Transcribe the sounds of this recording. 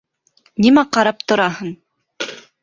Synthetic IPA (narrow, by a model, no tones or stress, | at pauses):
nimæqɑɾɑp̚t̪ŏɾɑhɤn